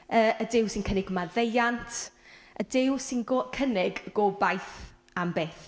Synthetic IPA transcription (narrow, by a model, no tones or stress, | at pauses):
əːədɪwsɪnkʰənɪɡəmaðejantʰʔə̰dɪwsɪnɡokʰənɪɡːɔːbajθ | ambeːθ